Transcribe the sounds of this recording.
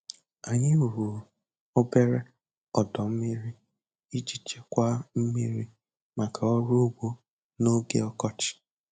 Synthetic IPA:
a˨ɲɪ˦˨ɾu˨ɾ | o˦be˦ɾe˦ | ɔ˨dɔ˨m̩˦mi˦ɾi˦ | i˦d͡ʒi˦t͡ʃe˦kʷa˦m̩˦mi˦ɾi˦ | ma˨kʰa˨ɔ˦ɾu˦ɡ͡bo˦ | no˦ɡe˦ɔ˦kɔ˦t͡ʃɪ̥˨

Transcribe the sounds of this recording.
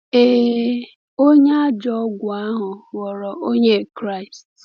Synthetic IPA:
e˨ | o˦ɲ˦a˦d͡ʒɔ˦ɡʷʊ˨a˦ɦʊ˨wɔ˨ɾɔ˨ʔo˦ɲe˦kɾa˦˨i˨st

